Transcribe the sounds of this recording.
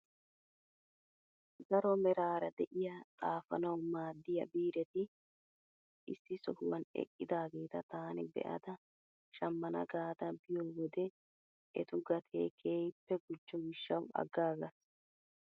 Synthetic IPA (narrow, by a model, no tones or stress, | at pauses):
ɡɐɾɔmɛɾaːɾɐd̪ɛʔɪjɐt̪ʼaːfɐnɐwmaːd̪ːɪjɐbiːɾɛt̪ɪ | ʔɪsːɪsɔhʊwɐnɛ̰kʼːɪd̪aːɡe̞ːt̪ɐt̪aːnɪbɛ̰ʔɐ̰d̪ɐ | ʃɐmːɐnɐ̰ɡaːd̪ɐbɪjɔːwɔd̪ɛ | ʔɛt̪ʊɡɐt̪ʰḛːkʰe̞ːjpːɛɡʊd͡ʒːɔɡɪʃːɐwɐ̰ɡːaːɡɐs